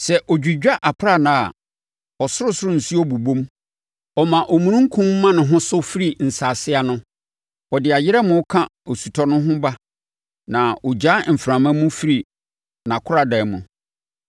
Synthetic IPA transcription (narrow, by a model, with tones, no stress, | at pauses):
sɛ˨ʔɔ˨d͡ʑᶣi˨d͡ʑᶣa˦ʔa˨pʰɾa˦˨nã˨a˨ | ɔ˨sʊ˦ɾʊ˦sʊ˦ɾʊ̃˦˨n̩˨su˦ɔ˦bu˨bõ˦m | ɔ˨mã˨ʔɔ˨mũ˨nũ˦ŋ̩˦kʰũ˦mː˦ã˦nʊ̃˨ɦʊ̃˦sʊ˦fi˦ɾi˨n̩˨saː˨sɪ˦a˦nʊ̃˦ | ɔ˨dɪ˨a˨jɪ˦ɾɛ˦mʊ̃˦kʰã˦o˨su˨tʰɔ˦nʊ̃˦ɦʊ̃˦ba˦ | nã˨ɔ˨d͡ʑa˦m̩˨fɾã˨mã˦mʊ̃˦fi˦ɾi˨ | nã˨kʰʊ˦ɾa˨dɛ˨mʊ̃˨